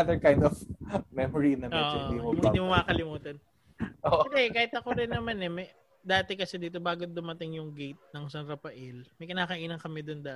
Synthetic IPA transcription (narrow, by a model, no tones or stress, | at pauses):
d̪əɹkaj̃nd̪ɔfmɛmɔɹinɐmoːʔd̪imomɪ̃d̪iːmomɐkɐkɐlɪmuːt̪ɐn | ʔoʔd̪ɛkaːhɪt̪̚ɐkoɾɪnːɐmanɛmɐ | d̪aːt̪ɛkɐsɛd̪iːt̪̬o̞baːɡod̪ʊmɐt̪ɪŋjʊŋɡejt̪̚nɐŋsɐnɾɐpɐʔɛlmɐjkɪnaːkɐʔiːnɐŋkɐmɛd̪ond̪a